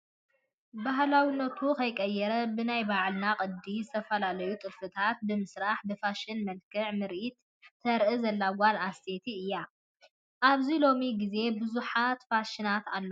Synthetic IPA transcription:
baɦlawinːɐt̪ʰukʰɐjkʼɐjːɛɾɐbɨnajbaʕlnakʼɨd̪izɨt̪ʰɐfɐlalɐjut̪ʼɨlfɨt̪ʰat̪̚bɨmɨsɾaħbɨfaʃɪnmɐlkʰɨʕmɨɾʔit̪ʰː | ɐɾʔɨzɐlːawanast̪ʰe̞t̪ʰiɨjːa | ʔaβzilo̞miɡize̞bɨzuħat̪faʃɪnat̪alːo

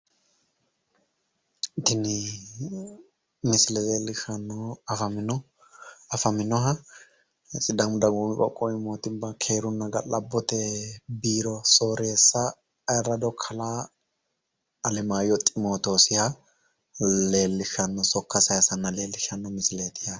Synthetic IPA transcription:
t̪ɪnɪ | mɪsɪlɛleːlːɪʃɐnːɔɐfɐmɪnɔ | ɐfɐmɪnɔɦɐ | sʼɪd̪ɐmʊd̪ɐɡuːmɪkʼɔ̰kʼːɔɪmoːt̪ɪbɐkʰe̞ːɾʊnːɐɡɐlɐbːɔt̪ɛbiːɾɔso̞ːɾeːsːɐː | jɐɾɐd̪ɔkʰɐlaː | lɛmaːjɔt̪ʼɪmo̞ːt̪o̞ːsɪhɐ | leːlːɪʃɐnːɔsɔkːɐsɐjɐsɐnːɐle̞ːlːɪʃɐnːɔmɪsɪleːt̪ɪjɐ

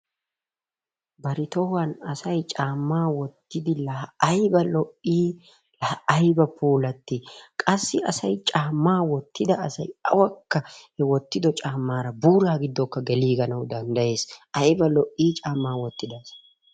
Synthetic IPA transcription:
bɐɾɪt̪ɔwɐnɐsɐjt͡ʃʼaːmːaːwɔt̪ːɪd̪ɪlɐɐjbɐlɔʔiː | lɐɐjbɐpuːlɐt̪ːɪkʼɐsːɪɐsɐjt͡ʃʼaːmːaːwɔt̪ːɪd̪ɐːsɐjɐ̰wɐkːɐhɛwɔt̪ːɪd̪ɔt͡ʃʼaːmːaːɾɐbuːɾaːɡɪd̪ːɔkːɐɡɛliːɡɐnɐwd̪ɐnd̪ɐje̞ːsɐjbɐlɔʔːiːt͡ʃʼaːmːaːwɔt̪ːɪd̪ɐːsɐ̥

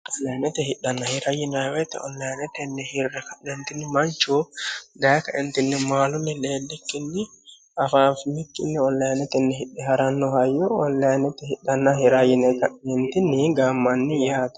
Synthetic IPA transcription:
ʔɔlːɐjɐnɛt̪ɛhɪɗːɐnːɐhɪɾɐjɪnawɛt̪ɛ̰ɔ̰lːɐjɐnɛt̪ɛnːɛhɪrːɛkɐʔɛnt̪ɪnːɪmɐnt͡ʃːud̪ɐjkɐʔɛnt̪ɪnːɪmaːlʊnːɪleːlːɛkːɪnːɪ | ʔɐfaːfɪmɪkʼːɪnːɛɔlːɐjɐnɛt̪ɛnːɛɦɪɗːɛɦɐɾɐnːɔhɐjːɔɔlːɐjɐnɛt̪ɛhɪɗːɐnːɐhɪɾajɪnɛkɐɛnt̪ɪnːɪɡaːmːɐnːɪjaːt̪ɐ̥

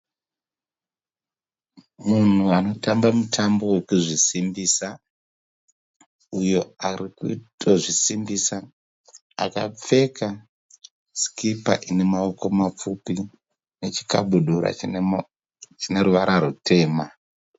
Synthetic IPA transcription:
mun̤uano̞tambamutʰambo̞wekuʐisimbisa | ujo̞arikutʰoʐisimbisa | a̰kap͡fe̞ka | skipa̰ʔine̞maoko̞map͡fupi | ne̞t͡ʃi̥kaɓuɗuɾa̰ | t͡ʃine̞ɾuʋaɾʔaɾutʰe̞ːma

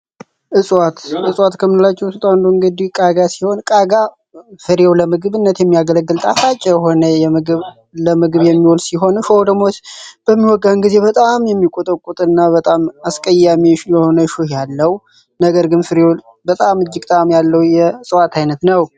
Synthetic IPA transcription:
ʔɨsʼwat̪ʔɨsʼwat̪kʰəmɨɨlat͡ʃːɛhsɨt̪ʼawnd̪oɨŋɡəd̪ihkʼaɡasiho̞nkʼaɡa | fɨɾjewləmɨɡɨβɨnːət̪jɛmːijaɡələɡːɨlt̪ʼat̪ʰat͡ʃʼɛɦo̞nəjɛmɨɡ | ləmɨɡɨβjɛmːiwɔlsiɦo̞nʃowd̪əmːot̪b̥əmːiwɔɡːahɨnɡize̞bət̪ʼamjɛmːikʼot̪ʼəkʼut̪ʼɨnːabət̪ʼamaskʼəjːamiʃjɛho̞nəʃuhjalːəw | nəɡəɾɡɨnfɨɾjew | bət̪ʼamɨd͡ʒːɪɡ̚t̪ʼamjalːəwjɛsʼwat̪ʰajnət̪nəw

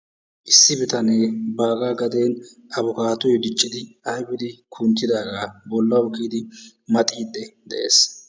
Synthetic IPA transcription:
ʔɪsːɪbɪt̪ɐneːbaːɡaːɡɐd̪e̞ːn | ɐβʊkaːt̪ɔjd̪ɪt͡ʃʼːɪd̪ɪɐjbɪd̪ɪkʰʊnt̪ːɪd̪aːɡaːbɔlːɐʊkːiːd̪ɪ | mɐt̪ʼiːd̪ːɛd̪ɛʔḛːs

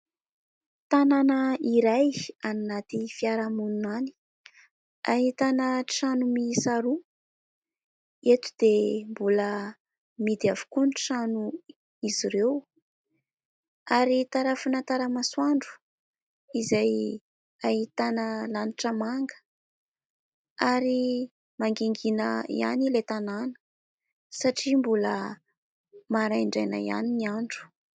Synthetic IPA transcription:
t̪ananaiɾajannat̪ifiaɾamununani̥ | aɦit̪anəʈ͡ʂanumisaɾu | et̪u̥d̪̥embulə | mid̪iavu̥kunʈ͡ʂanu | iziɾew | aɾit̪aɾafunat̪aɾəmaswaɳɖ͡ʐu̥ | izaj | ahit̪anəlaniʈ͡ʂəmaŋɡə̥ | aɾi | maŋɡeŋɡinəḭa̰nilet̪ananə̥ | saʈ͡ʂimbulə | maɾajɳɖ͡ʐajnə̰ia̰niniaɳɖ͡ʐu̥

